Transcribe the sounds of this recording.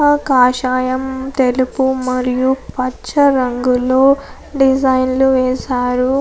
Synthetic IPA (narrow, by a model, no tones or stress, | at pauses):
ɐkaːʃaːjɐmt̪e̞lupumɐɾijupɐt͡ʃt͡ʃːɐɾɐŋɡulo̞ː | ɖid͡ʒɐjnluʋɛːsaːɾu